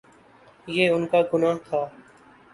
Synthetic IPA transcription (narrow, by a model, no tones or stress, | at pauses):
jeːʊnkaːɡʊnaːɦt̪ʰaː